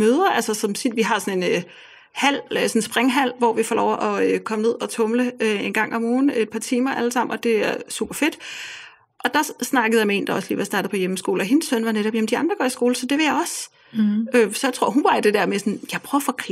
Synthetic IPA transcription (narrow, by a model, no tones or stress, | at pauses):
øːð̞ˠɐælsɐsɒ̽msʰid̥ʋiɦɑ̈sɒ̽ne̝n | hæl̰øsɒ̽n̩sb̥ʁeŋɦæl̰ʋɒʋifɒlɒʊʔɒ̽økʰɒ̽məne̝ð̞̰ˠɒ̽t͡sʰɔ̽mləøe̝nɡ̥ɑ̈ŋ̰ɒ̽mɔːn̩e̝d̥̚pʰɑ̈t͡sʰiːmɐʔæləsɑ̈m̰nɒ̽d̥e̝æɐsṵb̥ɐfe̝d̥ | ʔɒ̽d̥ɑ̈snɑ̈ɡ̥əð̩ˠjɑ̈mee̝̰ːnd̥ɑ̈ɒ̽slḭːʋɑ̈sd̥ɑ̈ːd̥ð̩ˠpʰɒjeməsɡ̥o̝ːlɒ̽ɦensːœn̰ʋɑ̈neɾ̥ɒb̥jemn̩d̥iɑ̈nd̥ʁɐɡ̥ɒ̰ːisɡ̥o̝ːləsɒ̽d̥e̝ʋe̝jɑ̈ɪɒ̽s | øsɒ̽jat͡sʰʁo̝ɐ̰ɦunb̥ɑ̈d̥e̝d̥ɛɐ̰mesɒnjɑ̈ɪpʰʁœʊfɒkʰ